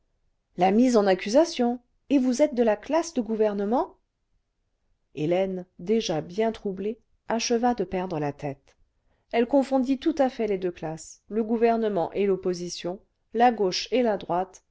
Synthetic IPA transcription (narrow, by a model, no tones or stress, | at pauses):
lamizɑ̃nakʲyzasjɔ̃ | evuzɛt̪̚d̪əlaklasd̪əɡuvɛʁnəmɑ̃ | elɛnd̪eʒabjɛ̃t̪χuble | aʃəvad̪əpɛʁd̪ʁəlat̪ɛt̪ | ɛlkɔ̃fɔ̃d̪it̪ut̪afɛled̪øklasləɡuvɛʁnəmɑ̃ʔelɔpozisjɔ̃ | laɡoʃelad̪ʁwat̪